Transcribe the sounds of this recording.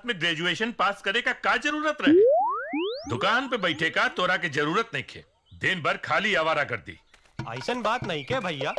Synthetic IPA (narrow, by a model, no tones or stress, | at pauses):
t̪mẽɡɾɛːd͡ʒueːʃənpaːskɐɾekakaːd͡ʒɐɾuːɾət̪ɾɐɦe | d̪ʊkaːnpebɐɪʈʰekat̪oːɾak̬ed͡ʒɐɾuːɾət̪nɐɦĩkʰḛː | d̪ɪnbɐɾkʰaːliaːʋaːɾakɐɾd̪ḭː | a̰ːɪsənbaːt̪nɐɦĩkɛbʱɐjaː